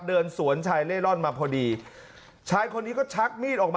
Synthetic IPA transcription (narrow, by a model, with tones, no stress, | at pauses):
dɤː˧nsu˩˦ənt͡ɕʰaː˧jleː˥˩lɔ˥˩nmaː˧pʰɔː˧diː˧ | t͡ɕʰaː˦˥jkʰo˧nːiː˦˥kɔː˥˩t͡ɕʰa˦˥k̚miː˥˩t̪̚ʔɔː˨˩k̚mː˧